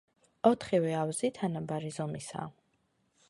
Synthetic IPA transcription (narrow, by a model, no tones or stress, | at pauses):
ɔt̪ʰχivɛawzit̪ʰanabaɾizɔmisa̰ː